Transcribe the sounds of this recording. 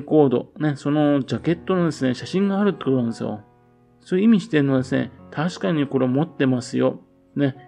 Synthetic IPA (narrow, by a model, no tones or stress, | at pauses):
ko̞ːd̪o̞̰ne̞so̞nod͡ʑake̞t̪ːo̞nod̪e̞sɨne̞ɕaɕĩŋɡaːɾɯ̟t̪ːeko̞t̪onand̪esɨjo̰ | sojɯimʲiɕi̥t̪e̞ɾɯ̟nːod̪e̞sɨne̞̰t̪ʰaɕi̥kaɲ̟iko̞ɾe̞mo̞t̪ːe̞masɨjo̞ | ne̞